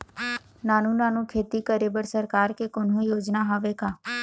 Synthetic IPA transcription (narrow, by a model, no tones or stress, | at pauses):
naːnũnãːnũkʰeːt̪ikəɾeːbəɾsəɾkaːɾkekonõijoːd͡ʒnaɦoːʋekaː